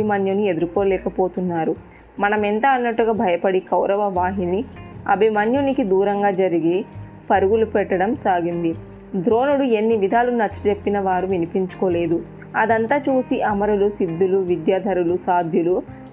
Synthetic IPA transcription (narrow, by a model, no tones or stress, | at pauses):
imɐnjunie̞d̪uɾko̞ːlɛːkɐpo̞ːt̪unːaːɾu | mɐnɐmɛnt̪ɐɐnːɐʈːuɡaːbʱɐjɐpɐɽikɐwɾɐʋɐʋaːɦiniɐ̰bʱimɐnjunikid̪uːɾɐŋɡaːd͡ʒɐɾiɡi | pɐɾuɡulupɛʈːɐɽɐmsaːɡind̪i | d̪ɾo̞ːnuɽue̞nːiʋid̪ʱaːlunnɐt͡ʃːi̥t͡ʃe̞pːinɐʋaːɾuʋinipiɲt͡ʃu̥koːle̞ːd̪u | ɐd̪ɐnt̪aːt͡ʃuːsiʔɐmɐɾulusid̪ːuluʋid̪jaːd̪ʱɐɾulusaːd̪ʱjulu